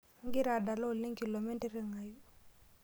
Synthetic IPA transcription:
ŋ˦ɡɪ˦ɾa˨da˨lɔ˦˨li˦ŋki˨lo˨mi˦te˦ɾi˦ŋa˨ju˦

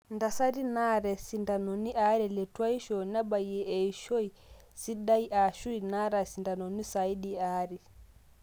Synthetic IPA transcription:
nda˨sa˦ɾi˦na˦ɾɛ˨si˨nda˨nɔ˨ni˦ʔa˦ɾɛ˨lɛ˨twa˦i˦ʃɔ˨na˦ɓa˨i˨ɛ˨ʔɛ˨i˨ʃɔ˦i˨ | si˦ɗa˦i˦ʔa˨ʃu˦i˨na˦ɾa˨si˨nda˨nɔ˨ni˦sa˨i˦di˦a˦ɾi˨

